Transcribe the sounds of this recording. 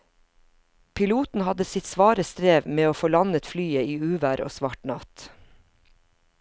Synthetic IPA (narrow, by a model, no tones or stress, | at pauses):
pʰɪluːt̪n̩hɑd̪əsɪt̪sʋɑːɾəst̪ɾeːʋmeːoːfoːlɑnət̪flyːəiːʉːʋæːɾʔo̰ːsʋɑʈnɑt̪